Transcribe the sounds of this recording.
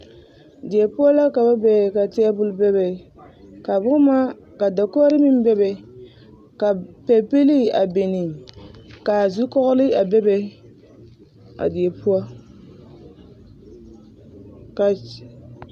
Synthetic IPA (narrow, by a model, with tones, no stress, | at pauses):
dɪ˨e˨pu˦a˦la˦ka˨ba˦bɛ˨ka˨tɛ˦a˦bʊ˦lbɛ˦bɛ˨ | ka˨bʊ˦ma˦ | ka˨da˨kɔ˦ɾɨ˦mi˦m˦bɛ˦bɛ˨ | ka˨pɛ˨pe˦li˦a˨be˨ni˨ | ka˨zu˦kɔ˦ɣʊ˦lɨ˦a˨bɛ˦bɛ˦ | a̰˨dɪ˨e˨pu˦a˦ | ka˨